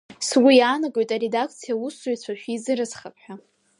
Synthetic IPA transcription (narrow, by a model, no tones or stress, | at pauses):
swijaːnaɡʼojtʼaɾe̞dakʰt͡sʰijausojt͡ɕʷʰaʃᶣizɨɾɨzχapʰħʷᶣa